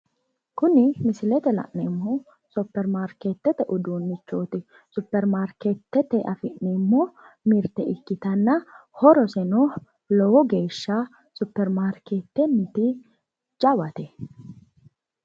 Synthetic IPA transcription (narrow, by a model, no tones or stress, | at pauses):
kʊnɪmɪsɪlɛt̪ɛlɐ̰ʔnemːɔ | sʊpːɛɾmaːɾkeːt̪ːɛt̪ɛʔʊd̪uːnːɪt͡ʃːoːt̪ɪ | sʊpːɛɾmaːɾket̪ːɛt̪ɛʔɐfɪʔnɛmːɔ | mɪɾt̪ɛʔɪkːɪt̪ɐnːɐhɔɾɔsɛno | lɔwɔɡe̞ːʃːɐ | sʊpːɛɾmaːɾkeːt̪ːɛnːɪt̪ɪ | d͡ʒɐwɐt̪ɛ